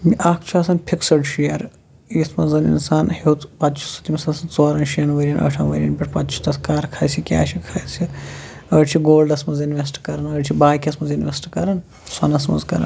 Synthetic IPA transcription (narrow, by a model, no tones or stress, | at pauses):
miʔaːkʰt͡ʃʰuaːsɐnpʰiksɐɖʃijɐɾ | isʰmɐzɐnḭnsaːnhewt̪pɐt̪t͡ʃʰu̥su̥t̪imɐsɐnsɐt͡soaːɾɐnʃijɐnʋɐɾʲɐnʔɐ̰ʈʰɐnʋɐɾʲiɐnpʲiʈʰpɐt̪t͡ʃʰu̥t̪ɐskaːɾkʰaːjsʲikʲa̰ːʃʰikʰaːjsiɐʈt͡ʃʰiɡoːlɖɐsmɐzinʋʲesʈkɐɾɐnɐʈt͡ʃʰibaːkʲɐsmɐzinʋʲesʈkɐɾɐn | swɐ̰nɐsmɐ̰zkɐ̰ɾɐ̰n